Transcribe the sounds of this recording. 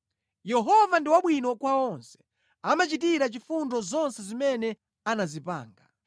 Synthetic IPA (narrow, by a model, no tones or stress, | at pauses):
jɛɦɔvandiwaɓwinɔkwaɔnsɛ̥ | amat͡ʃitiɾat͡ʃifundɔzɔnsɛzimɛnɛ | anazipa̰ːŋɡa